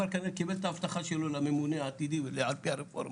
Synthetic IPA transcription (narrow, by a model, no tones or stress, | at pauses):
aɾkanekibelt̪aaft̪aχaʃelolamemuneaːt̪id̪iveleʕalpiaɾefo̰ɾm